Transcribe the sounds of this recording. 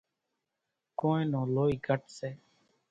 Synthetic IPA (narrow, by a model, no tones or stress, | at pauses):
kõːẽːnõːloːiːɡʱəʈsɛː